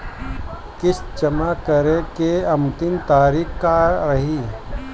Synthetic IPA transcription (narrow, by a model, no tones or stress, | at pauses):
kɪsd͡ʒəmakəɾekeɐmt̪ɪnt̪aːɾiːkkaɾɐɦi